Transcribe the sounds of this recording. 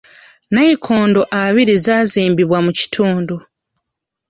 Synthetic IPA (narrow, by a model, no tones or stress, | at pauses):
naikʰoːndoʔaβiɾizaːziːmbiβwamuci̥tʰuːndu